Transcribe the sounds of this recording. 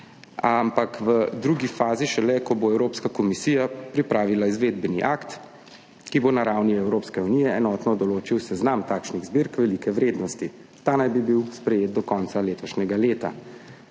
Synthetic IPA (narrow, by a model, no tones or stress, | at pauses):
ampakʋəd̪ɾuːɡifaːziʃɛlɛkɔboɛwɾoːpskakɔmisiːjapɾipɾaːʋilaizʋeːd̪̚bɛniʔaːkt̪ | kibonaɾaːwniɛwɾoːpskɛunijɛɛnɔːt̪nɔd̪ɔloːt͡ʃiwsɛznamt̪aːkʃniɣzbiɾkʋɛlikɛʋɾeːd̪nɔst̪i | t̪aːnajbibiwspɾɛjeːt̪̚d̪ɔkɔːnt̪saleːt̪ɔʃnʲɛɡaleːt̪a̰